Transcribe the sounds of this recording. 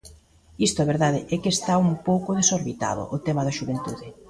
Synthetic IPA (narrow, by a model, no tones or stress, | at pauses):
ist̪ʊaβeɾðaðɪʔɛkest̪aumpowkʊðesoɾβit̪a̰ðʊ̰ʔʊt̪ɛmɐðɐʃuβent̪uðɪ